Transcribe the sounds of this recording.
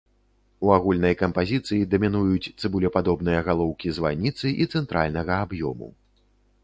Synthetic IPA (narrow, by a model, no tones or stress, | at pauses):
uaɣulʲnɐjkɐmpazʲit̪sɨjid̪ɐmʲinujut͡sʲt̪sɨbulʲɛpad̪ɔbn̪ɨjɐɣalˠɔwkʲizva̰nʲit̪sɨʔit̪sɛnt̪ɾʔa̰lʲnɐɣɐabjɔ̰mṵ